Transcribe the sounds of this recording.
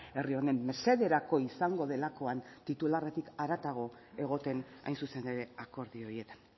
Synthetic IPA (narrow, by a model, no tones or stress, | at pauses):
e̞rio̞ne̞mːe̞se̞ðeɾako̞isaŋɡo̞ðe̞lako̞ant̪it̪ulare̞t̪ikaɾat̪aɣ̞o̞ | e̞ɣ̞o̞t̪e̞na̰jnsusend̪eɾe̞ako̞ɾðio̞ɾie̞t̪ḁn